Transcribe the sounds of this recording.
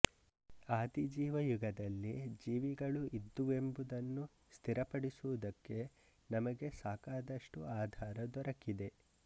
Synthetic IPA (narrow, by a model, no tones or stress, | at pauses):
aːd̪id͡ʒiːʋɐjuɡɐd̪ɐlːid͡ʒiːʋiɡɐɭuʔid̪ːuʋe̞mbud̪ɐnːu | st̪ʰiɾɐpɐɽisuʋud̪ɐkːe̞ | nɐmɐɡe̞saːkaːd̪ɐʂʈuaːd̪ʱaːɾɐd̪ɔɾɐkid̪e̞